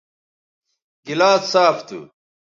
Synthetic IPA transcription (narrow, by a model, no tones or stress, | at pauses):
ɡilaːt͡ssaːft̪ṵ